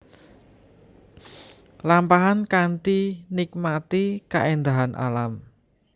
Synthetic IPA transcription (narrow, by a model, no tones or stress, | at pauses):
lampaɦankant̪inik̚mat̪ika̰ʔend̪aɦanʔa̰lam